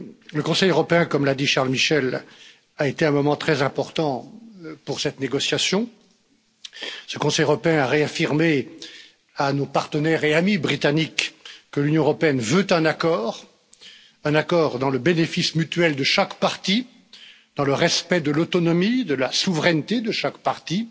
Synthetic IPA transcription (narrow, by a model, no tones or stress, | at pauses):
ləkɔ̃sɛjøʁɔpeɛ̃kɔmlad̪iʃaʁlmiʃɛl | aet̪eɛ̃mɔmɑ̃t̪χɛzɛ̃pɔʁt̪ɑ̃puʁsɛt̪neɡɔsjasjɔ̃ | səkɔ̃sɛjəʁɔpeɛ̃aʁeafiʁme | anopaʁt̪ənɛʁeamibʁit̪anikːəlynjɔ̃əʁɔpeɛnvøt̪ɛ̃nakɔːʁ | ɛ̃nakɔːʁd̪ɑ̃ləbenefismyt̪ɥɛld̪əʃakpaʁt̪i | d̪̥ɑ̃ləʁɛspɛd̪əlot̪ɔnɔmid̪əlasuvʁɛnt̪ed̪əʃakpaʁt̪i